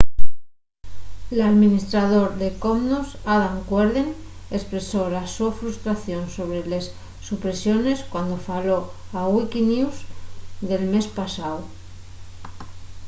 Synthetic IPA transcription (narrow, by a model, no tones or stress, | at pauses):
laðminist̪ɾaðo̞ɾðe̞ko̞mnusaðaŋkweɾðen | e̞spɾe̞so̞lasofɾust̪ɾaθjo̞nso̞βɾele̞sː | upɾe̞sjo̞ne̞skwand̪o̞falo̞aɣwikiniwzðe̞lme̞spasaw